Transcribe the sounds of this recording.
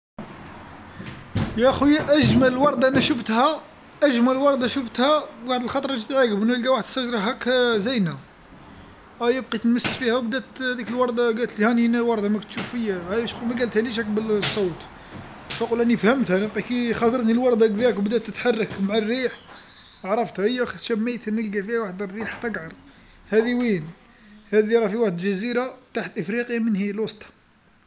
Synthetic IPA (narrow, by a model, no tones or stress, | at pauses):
jæʔxujːæʔæʒmællwɑɾˤd̪ˤɑʔænæʃəft̪hæ | ʔæʒmæləlwɑɾˤd̪ɑʃəft̪hæɡaʕd̪əlxɑt̪ˤɾˤɑʒit̪ʕaɡəbnælɡæwaħəd̪əsæʒɾˤɑɦækzæjnæ | æjəbqit̪ənməsːfihæwbd̪æt̪hæd̪ikəlwɑɾˤd̪ˤɑɡælt̪lihæninæwɑɾˤd̪ɑmækt̪ʃuffəjːæhæʃmæɡælt̪hæliʃækbəlsˤːɑwt̪ | sɑqulʔænifhəmt̪hænəbqikixɑsˤɑɾˤt̪nilwɑɾˤd̪ɑk̚d̪ækwbd̪æt̪ːət̪ħɑrˤːɑkmaʕarːiħ | ʕɾˤɑft̪həjːæxʃæmːæjt̪nəlɡæfihæwaħd̪ərːiħt̪ɑɡʕɑɾˤ | hæd̪iwin | hæd̪iɾˤɑfiwaħəd̪ʒæziɾat̪aħt̪ʔəfɾiqjamənhilwɑsˤt̪ˤɑ̥